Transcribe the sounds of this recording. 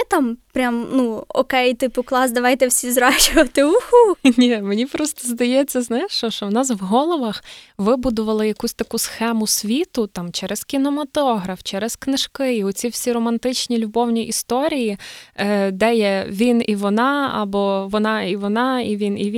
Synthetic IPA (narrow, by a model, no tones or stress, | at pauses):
ɛt̪ɑmpɾʲamnuɔ̰kɛjt̪ɪpʊklˠɑsd̪ɐʋɑjt̪ɛwsʲizɾɑt͡ʃʊʋɐt̪ɪuxunʲimenʲipɾɔst̪ɔzd̪ɐjɛt͡sʲːɐznajɛʃt͡ʃɔʃt͡ʃɔwnɑs̬ʋɦɔlˠɔʋɐxʋɪbud̪ʊʋɐlˠɪjɐkusʲt̪ɐkusxɛmʊsʲʋʲit̪ʊt̪ɑmt͡ʃɛɾɛskʲinɔmɐt̪ɔɦɾɐft͡ʃɛɾɛsknɪʃkɪiɔt͡sʲiwsʲiɾɔmɐnt̪ɪt͡ʃnʲilʲʊbɔwnʲiʔist̪ɔɾʲiji | d̪ɛjɛʋʲiniʋɔnɑɐ̰bɔʋɔnɑiʋɔnɑiʋʲiniʋʲ